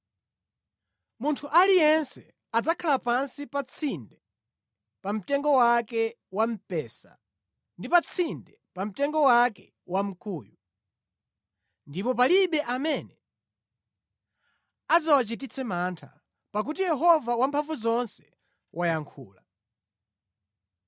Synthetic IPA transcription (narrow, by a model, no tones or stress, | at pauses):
muntʰuʔalijɛnsɛ | ad͡zakʰalapansipat͡sʰindɛ | pam̩tɛŋɡɔwakɛ | wam̩pɛːsa̰ | ndipat͡sʰindɛpam̩tɛŋɡɔwakɛ | wam̩kuːju | ndipɔp̬aliɓɛʔamɛnɛ | ad͡zawat͡ʃitit͡sʰɛmantʰa̰ | pak̬ut̬ijɛɦɔvawampʰaɱvuzɔnsɛ̥ | wʔajaŋkʰṵːla